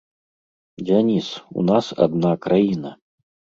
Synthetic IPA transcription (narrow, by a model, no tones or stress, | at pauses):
d͡zʲanʲisṵnasa̰d̪nakɾajinɐ